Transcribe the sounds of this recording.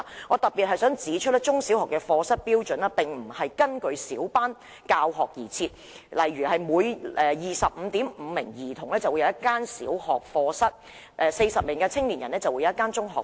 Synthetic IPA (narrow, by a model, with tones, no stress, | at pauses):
ŋɔː˨˧t̪ɐ˨t̚piː˨t̚hɐ˨jsœː˨˥ŋt͡siː˨˥t͡ʃʰɵ˥t̚lɛ˥t͡ʃʊ˥ŋsi˨˥whɔː˨kːɛː˧fɔː˧sɐ˥t̚piː˥wt͡ʃɵ˨˥nɐ˧˥pɪ˨ŋm̩˨˩hɐ˨jkɐ˥nkɵ˧ɥsiː˨˥wpaː˥n | kaː˧wɦɔː˨k̚jiː˨˩t͡sʰiː˧t̚ | lɐ˨˩jyː˨˩hɐ˨jmuː˨˧jʔɛː˨jiː˨˩sɐ˨p̚m̩˨˧t̪iː˨˥mm̩ː˨˧mɪ˨˩ŋjiː˨˩t̪ʰʊ˨˩ŋlɛː˥t͡sɐ˨wu˨˧jɐ˨˧˦jɐ˥t̚kːaː˥nsḭː˨˥whɔː˨k̚fɔː˧sɐ˥t̚ | ʔɛː˧se˧jsɐ˨p̚mɪ˨˩ŋkɐː˧t͡sʰɪ˥ŋliː˨˩njɐ˨˩nɛː˥t͡sɐ˨wu˨˧jɐ˨˧˦jɐ˥kːaː˥nt͡sʊ˥ŋɦɔ̰ː˨